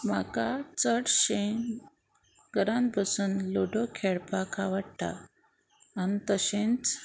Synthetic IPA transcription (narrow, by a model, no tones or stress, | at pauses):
ma̰kat͡səɽɕe | ɡəɾãnt̪̚bʱəsənloɖokʰeɽpakʰaʋaɽt̪a̰ː | nit̪əɕẽnt͡s